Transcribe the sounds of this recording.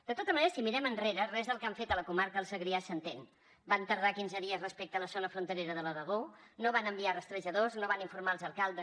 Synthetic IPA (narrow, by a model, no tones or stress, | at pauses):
d̪ət̪ot̪əzməneɾəsimiɾɛmənreɾərɛzðəlˠkaɱfet̪ələkumaɾkəlˠsəɣɾiasənt̪en | bant̪əɾð̞akinzəðiəzrəspek̚t̪ələzonəfɾunt̪əɾeɾəðələðəɣonoβ̞anəmbiarəst̪ɾəʒəðoznoβaniɱfuɾmaəlˠzəlˠkalˠd̪ə